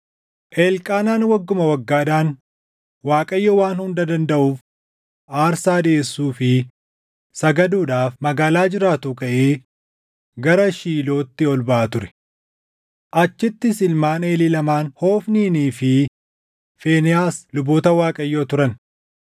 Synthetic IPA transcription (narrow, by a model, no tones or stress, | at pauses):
ʔeːlkʼaːnaːnwɐɡːʊmɐwɐɡːaːd̪aːn | waːkʼɐjːowaːnhʊnd̪ɐd̪ɐnd̪ɐʔuːf | ʔaːɾsaːd̪ɪeːsːuːfɪ | sɐɡɐd̪uːᶑaːfmɐɡaːlaːd͡ʒɪɾaːt̪ʊkɐʔeː | ɡɐɾɐʃiːlo̞ːt̪ːɪɔlbɐʔɐt̪ʊɾɛ̥ | ʔɐt͡ʃːɪt̪ːɪsɪlmaːne̞ːlilɐmaːnho̞ːfniːniːfɪ | feːnɪjaːslʊboːt̪ɐwaːkʼɐjːoːt̪ʊɾɐn